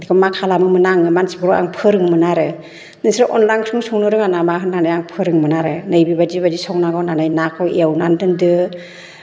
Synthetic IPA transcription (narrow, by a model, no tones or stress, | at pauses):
dikamakʰalamɯmɯnaŋɯmansikɯɾɔa̰ŋpʰɯɾɯŋmɯnaɾɯ | nɯsɾaʔɔnlaŋsuŋsɔŋnɯɾɯŋanamaɦɯnːanajaŋpʰɯɾɯŋmɯnaɾɯnɯjbibad͡ʒibad͡ʒisɔŋnaɡawnanajnakʰɔiawnandɯndɯ